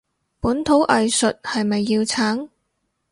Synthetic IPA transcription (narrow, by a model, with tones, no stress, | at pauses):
puː˨˥nt̪ʰo˨˥wʔɐ˨jsɵ˨t̚hɐ˨jmɐ˨jːiː˧wt͡sʰaː˨˥ŋ